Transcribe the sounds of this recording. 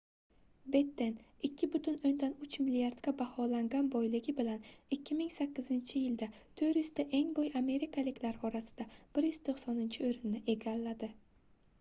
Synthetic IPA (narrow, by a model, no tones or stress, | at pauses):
be̞t̪ːe̞nɪkʲːɪbʊt̪ʰʊnɵnd̪anʊt͡ʃʰmɪliaɾd̪ɡʲabahɒlaŋɡʲanbojlɪɡʲɪbɪlanɪkʲːɪmɪŋsakʲːɪzɪnt͡ʃʰɪjɪld̪at̪ʰɵɾjʏz̥t̪aʔe̞ŋbojame̞ɾɪkʰalɪkʲlaɾɒɾasɪ̥d̪̥ab̥ɪɾjyz̥t̪ʰoqsɒnɪnt͡ʃʰɪʊjɾɪnnɪʔe̞ɡʲalːad̪ɪ